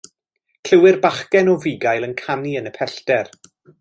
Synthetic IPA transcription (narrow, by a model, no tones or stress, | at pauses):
kʰl̥əwɪrbaχkɛnɔviɡajlˠənkʰaniənəpʰɛɬtɛr